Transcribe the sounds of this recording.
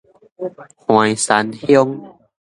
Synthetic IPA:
hu˨˩ə˦jsa˨˦nhi˦˥o˧ŋ

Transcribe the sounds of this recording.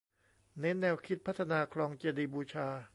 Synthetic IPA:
ne˦˥nːɛː˧wkʰi˦˥t̪̚pʰa˦˥t̪ʰːa˧naː˧kʰlɔː˧ŋt͡ɕiː˧diː˧buː˧t͡ɕʰaː˧

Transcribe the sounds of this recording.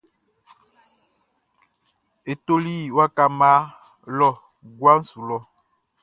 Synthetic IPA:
e˨to˦li˦˨wa˦ka˨ma˦ | lɔ˦˨ | ɡwa˦n̩˦su˨lɔ˦

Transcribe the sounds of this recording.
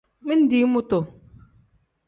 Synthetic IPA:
mi˦n̩˦di˨˦mu˦to˨

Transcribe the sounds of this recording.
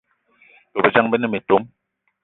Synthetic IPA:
bo˨bə˨d͡ʒa˦ŋbə˦nɛ˦me˨to˦m

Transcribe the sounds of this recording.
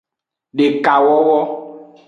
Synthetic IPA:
ɖe˨ka˨wɔ˦wɔ˦

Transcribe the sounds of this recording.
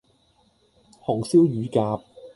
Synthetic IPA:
hɔː˨˩ŋsiː˥wjyː˨˧kaː˧p̚

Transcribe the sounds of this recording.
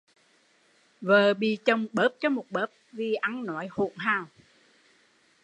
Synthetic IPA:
vəː˨˩ɓḭ˧˨t͡ɕə˨˧˩wŋ͡mɓəː˦˥p̚t͡ɕɔ˨˦mo˨˩t̚ɓəː˦˥p̚vi˨˩ʔa˨˦ŋnɔ˨˦jhṵ˧˨nɦaː˨˩w

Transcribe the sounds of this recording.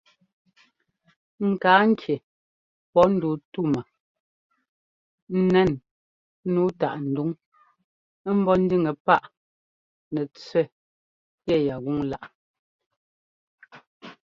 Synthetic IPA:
ŋ̩˨kaː˨˦ŋ̩˦kje˨ | pɔ˦n̩˦du˨tu˦˨ma˨ | n̩˦nɛ˦˨n˦ | nuː˦ta̰˨ʔn̩˨du˨˦ŋ˦ | m̩˦bɔ˦n̩˦di˦˨ŋe˨pa˦˨ʔ | nɛ˨t͡sɥɛ˦˨ | kɛ˦˨ja˨ɣu˦ŋla˦ʔ

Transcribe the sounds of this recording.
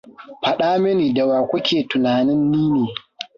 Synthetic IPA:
ɸɐ˨ɗaː˦mɪ˦niː˨da˨waː˨kʷʊ˦kʲʰeː˨tʊ˨naː˨nɪ˦nːiː˦neː˨

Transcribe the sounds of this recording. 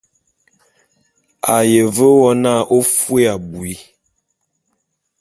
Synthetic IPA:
a˨je˨və˦wɔ˦na˦˨ʔo˦fwe˦a˨bu˨i˦

